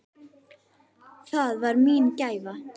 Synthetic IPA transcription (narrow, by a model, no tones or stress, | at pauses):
θaðvaɾmiːncaːjva